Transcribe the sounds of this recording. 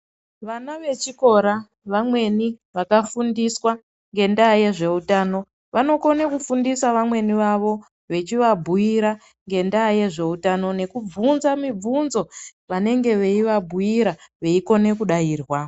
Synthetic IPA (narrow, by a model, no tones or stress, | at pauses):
ʋanaʋe̞t͡ʃiko̞ɾa | ʋamwe̞niʋakafundiswa | ŋɡe̞ndaje̞ʐe̞utaːno̞ | ʋano̞ko̞nekufundisaʋamwe̞niʋaʋo̞ | ʋe̞t͡ʃiʋabʱujiɾa | ŋɡe̞ndaje̞ʐe̞utano̞ne̞kub͡vunzamib͡vunzo̞ʋane̞ŋɡe̞ʋe̞iʋabʱuiɾaʋe̞iko̞ne̞kuɗajiːrwa